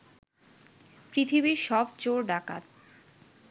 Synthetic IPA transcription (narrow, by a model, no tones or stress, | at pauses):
pɾit̪ʰibiʃɔbt͡ɕoɾɖaka̰t̪̚